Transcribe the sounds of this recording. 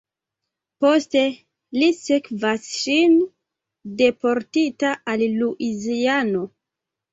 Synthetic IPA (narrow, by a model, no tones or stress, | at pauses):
poste̞ | lisekvasʃin | de̞po̞ɾtitaʔalluʔiziano̞